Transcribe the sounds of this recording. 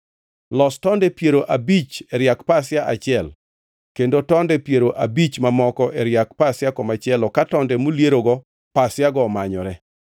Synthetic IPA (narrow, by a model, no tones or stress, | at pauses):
lɔstɔndɛpjeɾoʔabit͡ʃɛɾjakpasjaʔat͡ʃɪɛl | kendotɔndɛpjeɾoʔabit͡ʃmamɔkɔʔɛɾjak̚pasɪjakɔmat͡ʃɛlɔkatɔndɛmolieɾoɡɔ | pasjaɡɔmaɲɔɾɛ